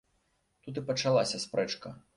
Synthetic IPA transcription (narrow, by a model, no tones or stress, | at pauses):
t̪ut̪̬ɨpɐt͡ʂalˠasʲɐspɾʔɛt͡ʂkɐ